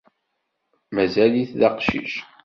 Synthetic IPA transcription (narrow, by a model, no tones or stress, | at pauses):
mæzæliθðɑqʃḭʃ